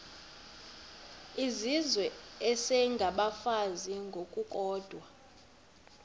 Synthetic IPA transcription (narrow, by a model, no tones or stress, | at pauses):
izizwɛɛsɛŋɡʱaɓafaziŋɡʱokʼukʼɔːd̥ʱwa